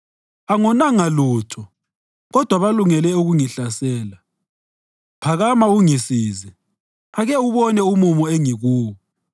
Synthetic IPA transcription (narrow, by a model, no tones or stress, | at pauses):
aŋɔnaŋaluːtʰɔ | ɣɔd̥ʱwaβaluŋɛlɛuɣuŋiɬasɛːla | pʰaɣamauŋisiːzi | aɣɛuβɔnɛumumɔeŋiɣuːwɔ